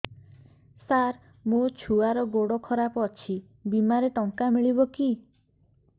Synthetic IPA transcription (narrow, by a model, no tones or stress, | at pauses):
saɾ | mot͡ʃʰuaɾɔɡoɽɔkʰɔɾapɔt͡ʃʰi | bimaɾeʈɔŋkamiɭibɔki